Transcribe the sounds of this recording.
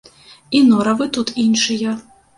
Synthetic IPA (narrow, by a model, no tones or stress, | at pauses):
inɔɾɐvɨt̪ut̪inʂɨjɐ